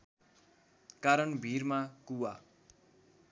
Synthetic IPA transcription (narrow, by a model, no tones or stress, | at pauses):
kaɾʌnbʱirmakuwa